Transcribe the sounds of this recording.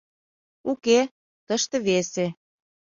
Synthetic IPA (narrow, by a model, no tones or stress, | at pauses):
uke | t̪əʃt̪ɤ̆βese